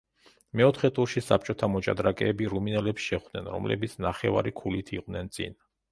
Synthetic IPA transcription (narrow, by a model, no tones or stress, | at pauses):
mɛɔt̪ʰχɛt̪ʼuɾʃisap̚t͡ʃʼɔt̪ʰamɔt͡ʃʼad̪ɾakʼɛːbiɾuminɛlɛpsʃɛχd̪̥nɛnɾɔ̰mlɛ̰bit̪sʰnaχɛva̰ɾikʰulit̪ʰiqʼvnɛnt̪sʼḭn